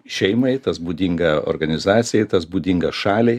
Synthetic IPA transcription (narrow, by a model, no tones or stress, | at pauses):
ʃʲɛɪmɐɪt̪ɐsbuːd̪ʲɪŋɡɐo̰ɾɡɐnʲɪzɑːt̪sʲɪjɛɪt̪ɐsbuːd̪ʲɪŋɡɐʃɑːlʲɛ